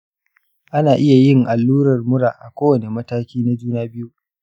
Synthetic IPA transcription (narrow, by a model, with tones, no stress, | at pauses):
ʔa˦naː˨ʔɪ˦ja˨jɪ˦ŋʔa˨lːuː˦ɾɐ˨rmʊ˦ɽaː˨ʔa˨kʷoː˦wɐ˨ne˨mɐ˦taː˦kʲiː˦na˦d͡ʒuː˦naː˦bɪ˦ju˦